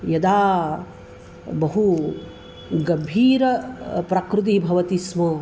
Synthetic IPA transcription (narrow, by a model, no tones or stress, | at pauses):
jɐd̪aː | bɐɦu | ɡɐbʱiːɾɐpɾɐkɾut̪̬ibʱɐʋɐt̪ismɐ